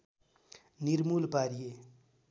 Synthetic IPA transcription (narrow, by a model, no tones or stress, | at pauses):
niɾmulpaɾije